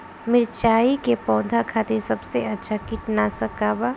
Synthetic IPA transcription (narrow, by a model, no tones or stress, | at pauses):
mɪɾt͡ʃaːikepɔ̃ːd̪ʱakʰaːt̪ɪɾsɐbseɐtːʃʰakiʈnasɐkaːba